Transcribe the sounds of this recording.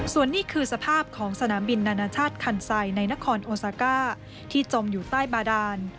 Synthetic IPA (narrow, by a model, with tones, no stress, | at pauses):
su˨˩ənːiː˥˩kʰɯː˧sa˧pʰaː˥˩p̚kʰɔː˩˦ŋsa˧naː˩˦mbi˧nːaː˧naː˧t͡ɕʰaː˥˩t̪̚kʰa˧˩nsa˧jna˧jna˦˥kʰɔː˧nʔoː˧saː˧˦kaː˥˩ | t̪ʰiː˥˩t͡ɕo˧mjuː˨˩t̪aː˥˩jbaː˧daː˧n